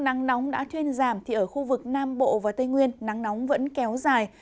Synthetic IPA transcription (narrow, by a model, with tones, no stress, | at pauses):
na˨˦ŋnɔ˨˦wŋ͡mɗa̰ː˧˥t̪ʰwi˧ənzaː˧˩mt̪ʰi˨˩ʔəː˧˩xu˧vɨ˨˩k̚naː˧mɓo̰˧˨vaː˨˩t̪ə˧jŋwi˧ənːa˨˦ŋnɔ˨˦wŋ͡mvə̰˧˥nkɛ˨˦wzaː˨˩j